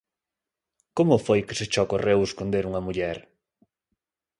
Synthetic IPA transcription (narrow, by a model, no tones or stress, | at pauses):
komʊfojkeset͡ʃɔkoreweskond̪eɾuŋɐmuʎɛɾ